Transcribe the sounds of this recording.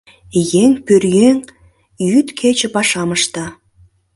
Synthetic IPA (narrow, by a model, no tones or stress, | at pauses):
jeŋpørjeŋ | jyt̪kʰet͡ɕə̆pɑʃɑməʃt̪ɑ